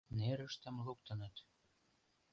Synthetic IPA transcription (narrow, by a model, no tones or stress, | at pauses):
neɾəʃt̪ə̆mluk̚t̪ə̆nə̆t̪